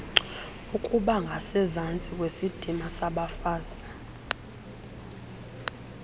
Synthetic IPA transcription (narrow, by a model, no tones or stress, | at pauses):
ukʼuɓaŋɡʱasɛzant͡sʼik̬ʼwesid̥ʱimasaɓafaːza